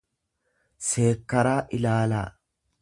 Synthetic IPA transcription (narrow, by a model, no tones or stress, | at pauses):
se̞ːkːɐɾaːʔɪlaːla̰ː